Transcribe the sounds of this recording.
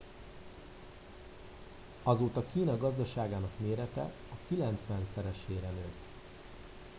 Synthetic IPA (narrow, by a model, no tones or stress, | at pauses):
ɒzoːt̪ɒkiːnɒɡɒzd̪ɒʃaːɡaːnɒkmeːɾɛt̪ɛ̰ | ɒkilɛnt̪sʋɛnsɛɾɛʃeːɾɛnøːt̪